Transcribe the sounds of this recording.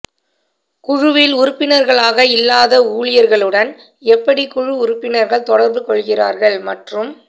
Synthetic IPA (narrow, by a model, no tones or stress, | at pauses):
kʊɻʊʋɪlʊɾʊpːɪnɐɾɣɐɭaːɣɐɪlːaːðɐuːɭɪjɐɾɣɐɭɯɽɐn | ɛpːɐɽikʊɻʊʊɾʊpːɪnɐɾɣɐɭt̪ɔɽɐɾbɯkɔɭɣɪraːɾɣɐɭmɐʈrɯm